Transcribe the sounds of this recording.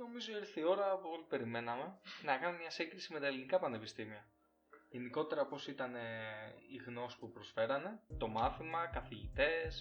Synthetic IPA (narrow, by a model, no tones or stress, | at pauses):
no̞mizoiɾθio̞ɾɐpoot̪ipe̞ɾime̞nɐme̞nɐkɐnumemɲɐsiɡɾisime̞t̪ɐelinikɐpɐne̞pist̪imiɐ | ʝeniko̞t̪e̞ɾɐpo̞sit̪ɐne̞iɣno̞si̥pupɾo̞sfe̞ɾɐne̞t̪o̞mɐθimɐkɐθiʝit̪e̞s